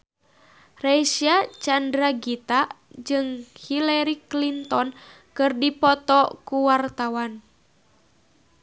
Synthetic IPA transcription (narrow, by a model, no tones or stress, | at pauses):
resiat͡ʃandɾaɡit̪ad͡ʒɨŋhilɛɾiklint̪ɔn | kɨrdipɔt̪ɔkuwart̪awan